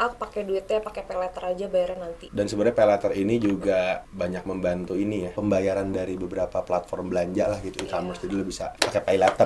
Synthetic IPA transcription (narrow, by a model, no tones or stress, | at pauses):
ʔak̚pakɛduɪt̪̚japakɛpailat̪əɾad͡ʒabajaɾanant̪idansəbəɾɲapalat̪əɾinid͡ʒuɡabaɲak̚məmbant̪uinijapəmbajaɾandaɾibəbəɾapaplat̪fɔrmbəlaɲd͡ʒaʔlahɡit̪uikamərsd͡ʒadilabisa̰pakepajlat̪ər